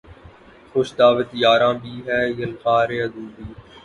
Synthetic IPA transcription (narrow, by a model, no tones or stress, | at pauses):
xoʃd̪aːʋət̪jaːɾãːbʱiːɦɛːjəlxaːɾeːəd̪ũːb̪iː